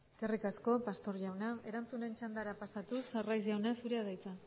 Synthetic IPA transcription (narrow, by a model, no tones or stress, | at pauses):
eskerikasko̞past̪o̞ɾʝawnae̞ɾant͡sune̞nt͡ʃand̪aɾapasat̪userajzʝawnasuɾeaðajt͡sa